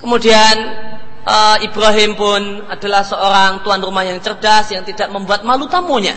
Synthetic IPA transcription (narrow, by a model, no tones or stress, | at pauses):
kəmudianʔəibɾaɦɪmpʊnad̥a̤lahsəoɾaŋt̪uanrumahjaŋt͡ʃərd̥asjaŋt̪idaʔməmbuat̪̚malut̪amuɲa̰